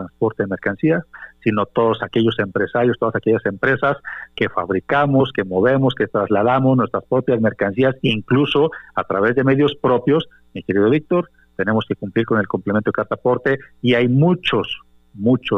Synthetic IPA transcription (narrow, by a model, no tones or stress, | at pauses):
ɾanspo̞ɾt̪eðeme̞ɾkansiasːino̞t̪o̞ðosake̞ʝo̞se̞mpɾe̞saɾjost̪o̞ðasake̞ʝasempɾe̞saske̞fa̰βɾikamo̞ske̞mo̞βe̞moske̞t̪ɾazlaðamoznwe̞st̪ɾaspɾo̞pjazme̞ɾkansiasiŋkluso̞at̪ɾaβe̞zðe̞me̞ðjo̞spɾo̞pjo̞s | mike̞ɾiðo̞βik̚t̪o̞ɾ | t̪e̞ne̞mo̞ske̞kumpliɾko̞ne̞lkomplement̪okaɾt̪apo̞ɾt̪e̞iajmut͡ʃo̞s | mut͡ʃo